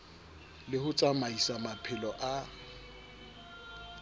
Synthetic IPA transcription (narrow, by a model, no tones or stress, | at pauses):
lɪhʊt͡sʼamaisamapʰɪlɔʔa